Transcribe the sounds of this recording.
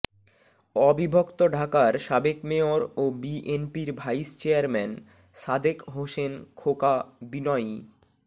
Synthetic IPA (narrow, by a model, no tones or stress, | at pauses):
ɔbibʱokt̪oɖʱakaɾʃabekmeoɾobiʔenpiɾbʱajst͡ɕeaɾmɛn | ʃad̪ʱekɦosenkʰokabinɔj